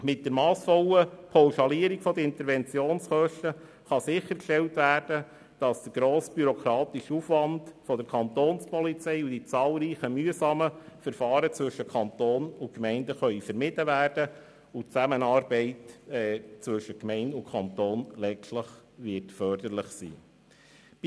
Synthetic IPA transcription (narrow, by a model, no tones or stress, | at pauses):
mɪt̚d̥əɾmɑːsfɔləpʰɑwʃɑliəɾikfɔd̪əɾɪnt̪əɾvɛnt͡sjoːnsχœʃtə | χɑsɪxəɾkʃtɛltʋæːɾd̥ə | d̥ɑsd̪̥əɡ̥ɾoːsb̥yɾɔkɾɑːt̪iʃufʋɑndfɔd̥̪əɾkʰɑnt̪oːnspɔlit͡sɛɪud̥it͡sɑːlˠɾiːχəmyəsɑːməfəɾfɑːɾət͡sʋɵʃːəkʰɑnt̪oːnʊkmɛɪndəχœʏifəɾmɪdəvæːrd̥ə | ut͡sæmənɑːɾbɛɪtː | t͡sʋɵʃəkmɛɪndʊkʰɑnt̪oːnlɛsləχʋɪtfœrd̥̪ərləχsḭː